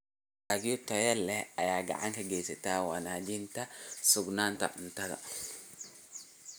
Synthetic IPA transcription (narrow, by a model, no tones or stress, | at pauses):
aːɡɪjɔt̪ɐjɛlɛɐjaːɡɐ̰ʕa̰ŋkɐɡɛːsɐt̪aːwa̰naːd͡ʒɪnt̪ɐsʊɡnaːnt̪ɐ̰ʔʊnt̪ɐðɐ̰